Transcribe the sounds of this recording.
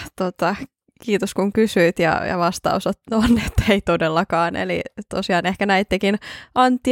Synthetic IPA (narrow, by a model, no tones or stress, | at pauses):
t̪ot̪ɑ | kiːt̪oskuŋkysyit̪jɑ̰jɑ̰ʋɑst̪ɑ̰usot̪onːet̪ːeit̪odelːɑkɑːnḛlḭt̪o̰siɑːnehkænæit̪ːekinʔɑnt̪ːi